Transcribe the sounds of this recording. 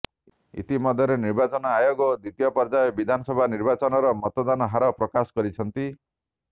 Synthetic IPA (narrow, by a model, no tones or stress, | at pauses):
ḭt̪imɔd̪ʱjɔɾeniɾbat͡ʃɔnɔajoɡɔd̪it̪ijɔpɔɾd͡ʒaebid̪ʱanɔsɔbʱaniɾbat͡ʃɔnɔɾɔmɔt̪ɔd̪anɔɦaɾɔpɾɔkasɔ̥kɔɾit͡ʃʰɔnt̪i